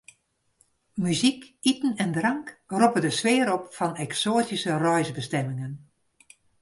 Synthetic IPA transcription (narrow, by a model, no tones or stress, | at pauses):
myzikitn̩ɛndrɑŋkropədəsʋɪːəɾɔpfɔnɛksoːtisərɔjzbəstɛmɪŋən